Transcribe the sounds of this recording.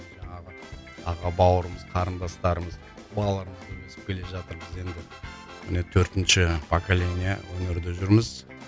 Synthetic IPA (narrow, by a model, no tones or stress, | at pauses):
ʒɑɴɑʁə | ɑʁɑbɑwəɾəməz̥qʰɑɾənd̪ɑst̪ɑɾəməz | bɑlˠlˠɑɾəməzk̪ʲʰɵesɪ̥p̚kʲʰe̞le̞ʒɑt̪əɾbɪze̞nd̪ɪ | mɪnet̪ʰɵɾt̪ɪnʃɪpʰokalʲenʲija̰wɵnɪɾd̪ɪʒʏɾməz